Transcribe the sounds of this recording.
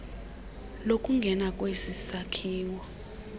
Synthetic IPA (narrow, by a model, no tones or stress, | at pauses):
lokʼuŋɡʱɛnakʼwesisakʰiːwɔ